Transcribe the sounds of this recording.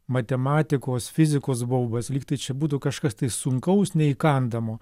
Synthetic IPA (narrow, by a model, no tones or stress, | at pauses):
mɐt̪ʲɛmɑːt̪ʲɪkoːsfʲɪzʲɪkoːs̬boʊbɐslʲiːkt̪ɐɪt͡ʃʲɛbuːt̪ʊkɐʃkɐst̪ɐɪsʊŋkɐʊsnʲɛikɐnd̪ɐmoː